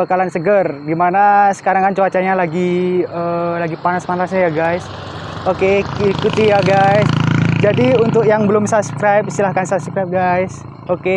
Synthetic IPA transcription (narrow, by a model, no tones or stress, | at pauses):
akalansəɡərɡimanasə̥kaɾaŋkant͡ʃoat͡ʃaɲalaɡiəlaɡipanasmanlasɲajaɡajs | okekikut̪ijaɡajsd͡ʒadiunt̪ʊk̚jaŋbəlʊmsapskɾajp̚ist̪ilahkansabskɾajp̚ɡajs | oke